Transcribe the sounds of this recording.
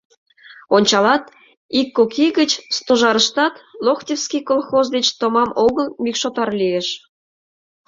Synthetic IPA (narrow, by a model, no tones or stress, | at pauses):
onʲt͡ɕɑlɑt̪ | ikːokiɣət͡ɕst̪oʒɑɾəʃt̪ɑt̪loxtʲefskʲikolˠxozd̪et͡ɕt̪omɑmoɣəlmʲikʃot̪ɑrlijeʃ